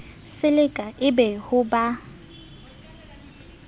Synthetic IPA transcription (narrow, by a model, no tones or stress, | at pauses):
sɪlɪkʼaʔɪbɛhʊba